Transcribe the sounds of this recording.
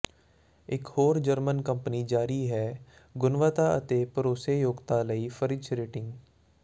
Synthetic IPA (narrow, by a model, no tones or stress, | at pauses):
ɪkhoːɾd͡ʒəɾmənkə̃mpəniːd͡ʒaːɾiɦɛː | ɡʊnʋaːt̪aːə̰t̪eːpəɾoːseːjoːɡt̪aːləiːfʰəɾɪt͡ʃɾeːʈɪ̃ŋɡ